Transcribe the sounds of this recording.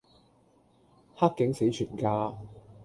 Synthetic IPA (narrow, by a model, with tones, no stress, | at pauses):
haː˥k̚kːɪ˨˥ŋse˨˥jt͡ʃʰyː˨˩nkaː˧